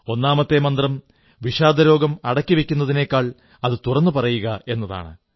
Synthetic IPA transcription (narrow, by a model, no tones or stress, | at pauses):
o̞nːaːmɐt̪ːe̞mɐnd̪rɐm | ʋiɕaːd̪ʱɐɾo̞ːɡɐmɐɽɐkʲːiʋikʲːunːɐðine̞ːkːaːɭ | ɐðɨt̪urɐnːɨpɐrɐjuɣɐe̞nːɐða̰ːɳɨ̰